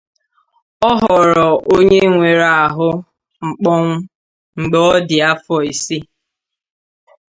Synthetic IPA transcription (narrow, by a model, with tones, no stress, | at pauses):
ɔ˦ɦɔ˨ɾɔ˨ʔo˦ɲe˦ŋʷe˨ɾa˨a˨ɦʊ˦ | ŋ͡m̩˨k͡pɔ˦ŋ̩˦ | ŋ͡m̩˨ɡ͡bɔ˦dɪ˨a˦fɔ˨i˨si˦